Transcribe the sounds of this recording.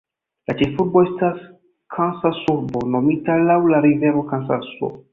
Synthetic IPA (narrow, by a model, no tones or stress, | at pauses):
lat͡ʃe̞fuɾbo̞e̞stas | kʰansasuɾbo̞no̞mitalawlaɾive̞ɾo̞kansa̰so̰